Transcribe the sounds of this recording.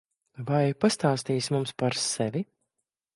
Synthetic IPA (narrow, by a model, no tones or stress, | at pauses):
vajpast̪aːst̪iːsmumspaɾsɛvi